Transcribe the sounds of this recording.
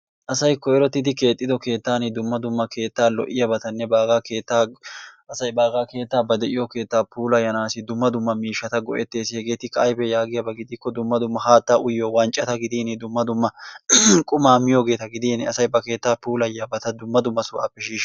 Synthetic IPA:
ʔɐsɐjkːɔɛɾɔt̪ːɪd̪ɪke̞ːt̪ʼːɪd̪ɔke̞ːt̪ːaːnɪd̪ʊmːɐd̪ʊmːɐkʰe̞ːt̪ːaːlɔ̰ʔɪjɐbɐt̪ɐnːɛbaːɡaːke̞ːt̪ːaːʔɐsɐjbaːɡaːke̞ːt̪ːaːbɐd̪ɛʔɪjoke̞ːt̪ːaːpʰuːlɐjɐnaːsɪd̪ʊmːɐd̪ʊmːɐmiːʃːɐt̪ɐɡɔʔɛ̰t̪ːe̞ːsɪhɛɡe̞ːt̪ɪkɐːjbɛjaːɡɪjɐbɐɡɪd̪ɪkːɔd̪ʊmːɐd̪ʊmːɐhaːt̪ːaʔʊjːoːwɐnt͡ʃʼɐt̪ɐɡɪd̪iːnɪd̪ʊmːɐd̪ʊmːɐ | kʼʊmaːmɪjoːɡe̞ːt̪ɐɡɪd̪iːnɐsɐjbɐke̞ːt̪ːaːpuːlɐjɐbɐt̪ɐd̪ʊmːɐd̪ʊmːɐsʊʔɐ̰pːɛʃiːʃ

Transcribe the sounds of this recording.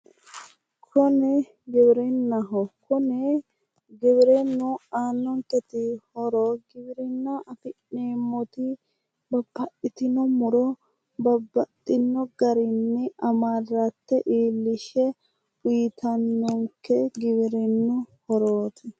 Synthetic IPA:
kʰɔnɛ | ɡɛbɪɾɛnːɐɦɔkɔnɛ | ɡɛβɪɾɛnːʊaːnːɔŋkɛt̪ɪhɔɾɔɡɪbɪɾɪnːaʔɐfɪnːeːmːɔt̪ɪ | bɐbːɐʔɪt̪ɪnɔmʊɾɔ | bɐbːɐt̪ʼːɪnːɔɡɐɾɪnːɛɐmaːrat̪ːɛʔiːlːɪʃɛ | ʊjɪt̪ʰɐnːɔŋkːɛɡɪβɪɾɛnːʊhɔɾoːt̪ʰɛ

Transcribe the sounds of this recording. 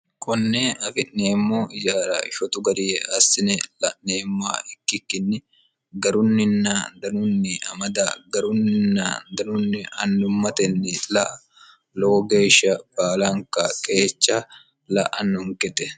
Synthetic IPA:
kʰɔnːeːɐfɪʔneːmːoːɪd͡ʒaːɾa̰ːɪʃɔt̪ʊɡɐɾɪjɛɐsːɪnɛlɐʔneːmːa̰ːɪkːɪkːɪnːɪ | ɡɐɾʊnːɪnːaːnd̪ɐnʊnːɪɐ̰mɐd̪aɡɐɾʊnɪnːa̰ːnd̪ɐnʊnːɪɐnːʊmːɐt̪ɛnːɪlɐʔɐ | loːɡeːʃɐbaːlaŋkakʼeːt͡ʃːa | lɐ̰ʔɐ̰nːʊŋkɛt̪ɛ

